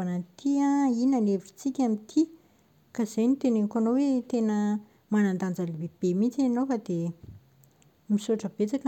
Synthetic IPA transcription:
anənt̪ʰiãinanevii̥t͡sikʲamint̪ʰi | kaz̥ajnit̪eneŋkanowet̪enə | manand̪and͡zalibeb̥emit͡sianowfad̪e | misuaʈ͡ʂəb̥et͡sakə

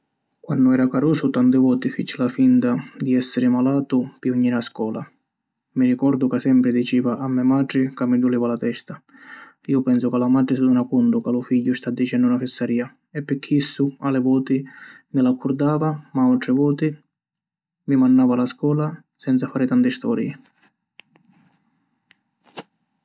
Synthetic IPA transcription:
kwanːʊɛːɾakaɾuːsʊt̪ant̪ɪvɔːt̪ɪfit͡ʃːɪlafint̪ad̪iɛsːɪɾɪmalaːt̪ʊpiuɲːiɾaskɔːla̰ | mirikɔɾd̪ʊkasɛmpɾɪd̪it͡ʃiːvaʔamːɛmadɾɪkamːid̪uliːvalat̪ɛst̪a | iːʊpɛnsʊkalamad̪ɾɪsud̪unakunt̪ʊkalʊfiʎːʊst̪ad̪ːit͡ʃɛnd̪ʊunafɪsːaɾiːa | ɛpːɪkʰːisːʊalɪvɔːt̪ɪ | mɪlakːuɾd̪aːvamaat̪ɾɪvɔːt̪i | mimanːaːvalaskɔːla | sɛnt̪safaːɾɪt̪ant̪ɪst̪ɔ̰ːɾjɪ̰

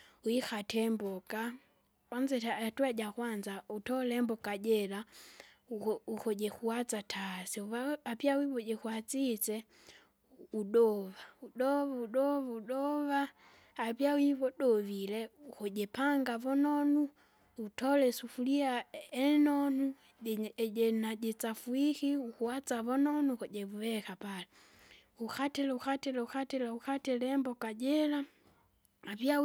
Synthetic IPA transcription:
uixatɛmbɔka | anzɛtatuaɟaxwanzautɔlɛmbɔkaɟɛla | uxɔɟɛxuwat͡satʰasɛuβaapjawiβɔɟɛxuat͡sit͡sɛ | uɗɔʋauɗɔβauɗɔβauɗɔβaː | pjawiβɔɗɔvilɛukɔɟɛpaŋɡavɔnɔnu | utɔlɛsufuliaɛnɔnu | ɟɛnaɟɛt͡safuixiukuwat͡saβɔnɔnukɔɟɛβuwɛkapalɛ | ukatɛlɛuxatɛlɛuxatɛlauxatɛlɛmbɔkaɟɛla | aβia

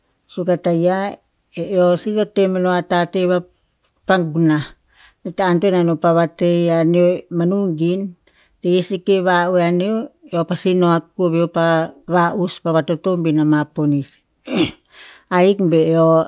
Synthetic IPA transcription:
sukataja | eosiotemanoatateβa | paŋɡuna | itaːntonanopaβateaneomanuŋɡin | tejesikeβauaneoeopasinoak̚uoβeopaβaʔuspaβatotombinamaponis | aikbeo

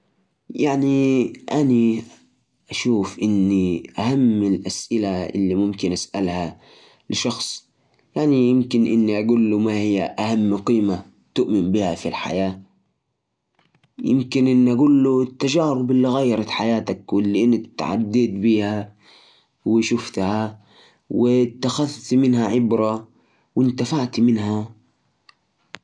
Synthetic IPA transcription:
jaʕniʔani | ʔaʃuːfʔɪnːiʔahamːɪlʔasʔɪlaʔɪ̰lːimʊmkɪnʔasʔalha | lɪʃɑxsˤ | jaʕnijɪmkɪnʔɪnːiʔaɡuːlːumahijːaʔahamːqiːma | t̪ʊʔmɪnbihafilħa̰jaː | jɪ̰mkɪnʔɪnːiʔaɡuːlːut̪ːad͡ʒaːɾʊbɪlːiɣajːɑɾˤɑt̪ħajaːt̪akwɪlːiʔɪnːɪt̪ːʕa̰d̪ːiːd̪biːha | wɪʃʊft̪ha | wɪt̪ːaxaðt̪mɪnhaʕɪbɾˤa | wɪnt̪afaʕt̪mɪnha

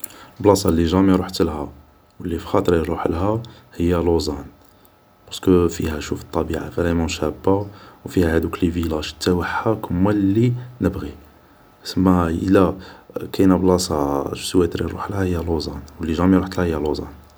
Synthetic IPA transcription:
blɑsˤɑlːiʒæmiɾuħt̪əlhæ | wəlːifi̥xɑt̪ˤəɾiɾˤuħlɦæ | həjːælozˤɑn | b̥ɑɾskəfihæʃufət̪ˤːɑbiʕa̰fæɾæmæ̃ʃæbːawfihæhæd̪uklivilaʃə̥t̪ːæwəħːakʰəmːælːinəbɣi | səmːæə̰lːækænæblɑsˤɑswæt̪ɾiɾṵħəlhæhəjːælozɑnwəlːiʒæmiɾuħt̪əlhæhəjːælozˤɑ̰n

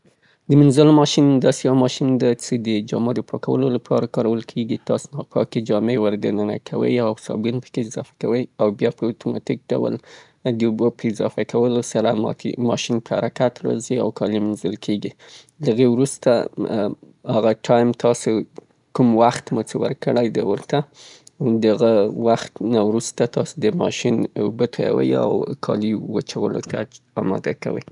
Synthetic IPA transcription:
d̪əmɪnzəlmɑʃind̪ɑsejawmɑʃind̪at͡səd̪əd͡ʒɑ̰med̪əpʰɑkawə̰lolapʰɑɾakɑɾawəlkʰeɡit̪ɑsnɑpʰɑ̰ked͡ʒɑmewaɾɡ̪anəna̰kʰawə̰jawsɑ̰bɡunpə̥keɪzɑ̰fḁkawəjawbjɑpəat̪umɑ̰t̪ik̚ɖa̰wa̰l | d̪əubopəɪzɑ̰fakʰawəlosaɾa̰mɑʃinpəhaɾakat̪ɾɑ̰ziawkʰɑlimanzəlkʰeɡi | laɣewɾust̪a | haɣaʈʰɑjmt̪ɑso | kumwaxt̪mʊt͡səwə̰ɾkəɽajd̪awəɾt̪a | d̪əaɣawaxt̪nawɾust̪at̪ɑsod̪əmɑʃinubət̪ʰaja̰wə̰ja̰wkʰɑ̰liwat͡ʃawəlo̰t̪a | ɑmɑ̰d̪aka̰wə̰j

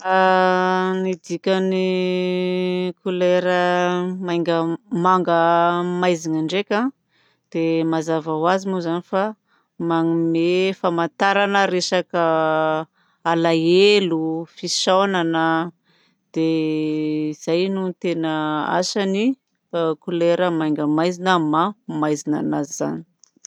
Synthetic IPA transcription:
a | nid̪ikʲəni | kʰuleɾəmaŋɡəmaŋɡəmajzinaɳɖ͡ʐekʲã | d̪̥emazavawazimuzanifa | maŋimefamant̪aɾanəɾesakə | alajelufisonanə | d̪̥e | iz̥ajnut̪enəa̰sani | kuleɾəmajŋɡəmajzinəmamajzina̰naziza̰ni̥

